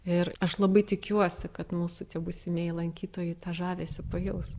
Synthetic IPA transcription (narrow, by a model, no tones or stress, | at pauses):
ɪɾɐʃlˠɐbɐɪt̪ʲɪkʲuɔsʲɪkɐt̪muːsʊt̪ʲiɛbʊsʲɪmʲeːjɪlˠɐŋʲkʲiːt̪oːjɛt̪ɑːʒɑːʋʲeːsʲɪpɐjɛʊs